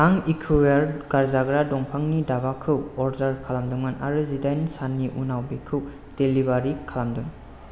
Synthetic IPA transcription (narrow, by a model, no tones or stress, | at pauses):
aŋikʰuwaɾɡaɾzaɡɾadɔŋpʰaŋnidaβakʰɯwɔɾdaɾkʰalamduŋanʔa̰ɾɯzidajnsanːiʔunawbikʰɯw | telibaɾikʰalamduŋ